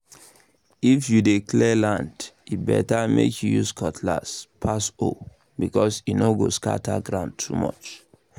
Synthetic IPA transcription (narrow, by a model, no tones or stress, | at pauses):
ifjudekʰlɛlãndibɛ̰tamekʰjujuskʰɔtʰlaspʰaso | bikɔsinoɡoska̰tʰaɡɹãʊ̃ndtʰumɔ̰t͡ʃ